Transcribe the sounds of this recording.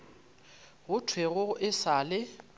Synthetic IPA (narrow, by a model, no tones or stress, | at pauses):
ɣʊtʰweɣʊʔɪsaːlɪ